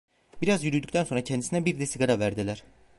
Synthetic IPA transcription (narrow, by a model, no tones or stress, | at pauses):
biɾazjyɾyd̪yct̪ʰænso̞nɾacʰɛnd̪isinɛbiɾd̪ɛsiɡaɾavæɾd̪ilʲæɾ̥